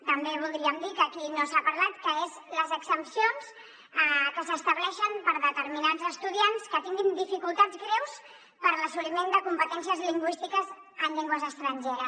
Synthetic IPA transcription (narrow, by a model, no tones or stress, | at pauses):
t̪əmbeβ̞ulˠd̪ɾiəmd̪ikəːkinosapəɾlat̪kəezləzəksəmpsions | əkəsəst̪əβlɛʃənpəɾðət̪əɾminazəst̪uðianskət̪iŋɡind̪ifikulˠt̪add͡zɣɾɛws | pəɾləsulimend̪əkumpət̪ɛnsiəzliŋɡwist̪ikəz | ənʎeŋɡwəzəst̪ɾəɲʲʒeɾəs